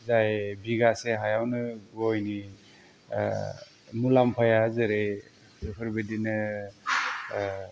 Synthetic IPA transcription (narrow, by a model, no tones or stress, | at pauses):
zajbiɡaseɦajawnɯɡɔjni | mulampʰajazɯɾe | ɯpʰɯɾbedinɯ